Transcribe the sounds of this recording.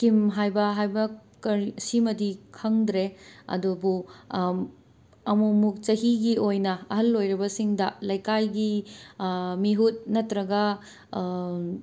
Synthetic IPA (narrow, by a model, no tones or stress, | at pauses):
kimɦajbɐɦajbɐkɐɾsimɐdikʰɐŋdɾeɐ̰dubu | ɐmumuk̚t͡ʃɐɦiɡiojnɐɐɦɐlːojɾɐbɐsiŋdɐlɐjkajɡi | miɦut̚nɐtɾɐɡɐ